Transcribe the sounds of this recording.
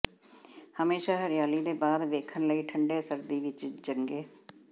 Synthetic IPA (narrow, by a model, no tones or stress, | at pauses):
həmeːʃaːɦəɾɪjaːliːd̪eːbaːd̪ʋeːkʰənləiːʈʰəɳɖeːsəɾd̪iːʋɪt͡ʃd͡ʒəŋɡeː